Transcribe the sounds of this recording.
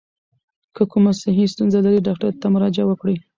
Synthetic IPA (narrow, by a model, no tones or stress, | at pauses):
kʰəkumasɪɦist̪unzalaɾiɖɑk̚ʈaɾt̪amʊɾɑd͡ʒawəkɽi